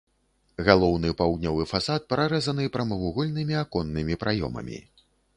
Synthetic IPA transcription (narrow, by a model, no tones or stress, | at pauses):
ɣalˠɔwnɨpawd̪̚nʲɔvɨfasat̪̚pɾaɾɛzɐnɨpɾɐmɐvuɣɔlʲnɨmʲiakɔnːɨmʲipɾʔajɔ̰mɐ̰mʲḭ